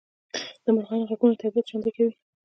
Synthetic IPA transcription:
d̪̥əmaɾxɑnɣaɡunot̪abiat̪ʒand̪ikawi

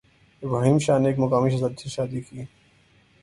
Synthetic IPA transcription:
baːɦimʃaːneeːkmɐkaːmiʃɐzad̪siʃaːd̪ikiː

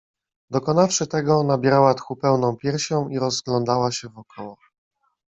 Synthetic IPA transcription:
d̪ɔkɔnafʂɘt̪ɛɡɔnabʲjɛɾawat̪xupɛwnɔ̃w̃pʲjɛɾɕɔ̃w̃iɾɔzɡlɔnd̪awaɕɛvɔkʰɔwɔ

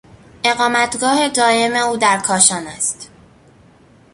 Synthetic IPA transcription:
ʔe̞ɣɒːmæt̪ɡɒːhe̞d̪ɒːe̞me̞uːd̪æɾkʰɒːʃɒːnæst̪

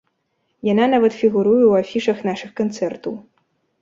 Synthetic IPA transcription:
jananavɐt̪fʲiɣuɾujɛwafʲiʂɐxnaʂɨxkant̪sɛrt̪ɐw

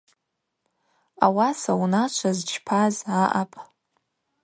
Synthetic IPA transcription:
a̰wasawunat͡ʃʷʰazt͡ʃʰpʰazaʔapʼ

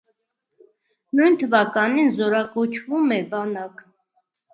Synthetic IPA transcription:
nujnt̪ʰəvɑkɑninzɔɾɑkɔt͡ʃʰvumɛbɑnɑk

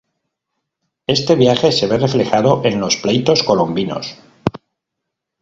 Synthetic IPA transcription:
e̞st̪e̞βjaxe̞se̞βe̞re̞fle̞xaðo̞ʔe̞nlo̞splejt̪o̞sko̞lombino̞̰s

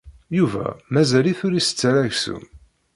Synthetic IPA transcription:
juvæ̰mæzæliθʊɾisə̥t͡sːɾæʝsṵm

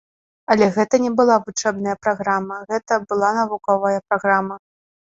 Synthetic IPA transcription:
ɐlʲɛɣɛt̪ɐnʲɛbɨlˠavut͡ʂɛbn̪ɐjɐpɾaɣɾamɐɣɛt̪ɐbɨlˠanɐvukɔvɐjɐpɾaɣɾamɐ

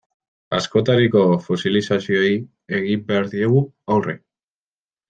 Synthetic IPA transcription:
a̰sko̞t̪aɾiko̞fo̞silisasio̞j | e̞ɣimbeaɾðie̞ɣ̞u | awre̞̰

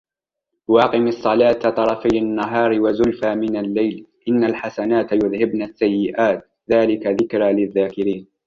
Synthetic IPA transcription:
wɑːqɪmɑsˤːɑlaːt̪t̪ˤɑɾˤɑfajanːaɦɑːɾɪwazʊlfaːmɪnalːajlʔɪnːalħasanaːt̪jʊðhɪbnasːajːɪʔaːt̪ | ðaːlɪkaðɪkɾaːlɪðːaːkɪɾiːn

